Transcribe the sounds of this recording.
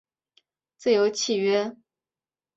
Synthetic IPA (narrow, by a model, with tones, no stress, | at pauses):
t͡sɹ̩˥˩jo˧˥ʊt͡ɕʰi˨˩ɥɛ˧˥